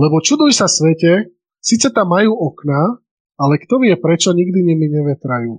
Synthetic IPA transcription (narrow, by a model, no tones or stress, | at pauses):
lɛbɔt͡ʃud̪ujsasʋɛcɛ | siːt͡sɛt̪amːajuːʔɔkna | alɛkt̪ɔʋɪɛpɾɛt͡ʃɔɲiɡd̪iɲimiɲɛʋɛt̪ɾajuː